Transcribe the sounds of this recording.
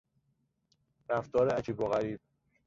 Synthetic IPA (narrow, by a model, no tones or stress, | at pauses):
ɾæft̪ɒːɾeæt͡ʃʰiboɣæɾiːb̥̚